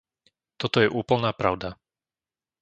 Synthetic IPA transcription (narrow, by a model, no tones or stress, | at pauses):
t̪ɔt̪ɔjɛʔuːpl̩naːpɾaʊd̪a